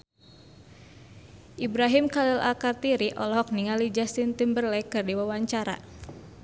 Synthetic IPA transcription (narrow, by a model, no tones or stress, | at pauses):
ʔibɾaɦimkalila̰kart̪iɾiʔɔlɔɦɔk̚niŋalid͡ʒast̪int̪imbərlɛkɨrdiwawaɲt͡ʃaɾa̰